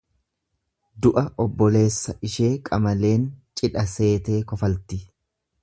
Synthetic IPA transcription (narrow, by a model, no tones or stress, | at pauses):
d̪ʊʔɐʔɔbːɔle̞ːsːɐʔɪʃe̞ːkʼɐmɐle̞ːnt͡ʃʼɪᶑɐse̞ːt̪e̞ːkɔfɐlt̪ɪ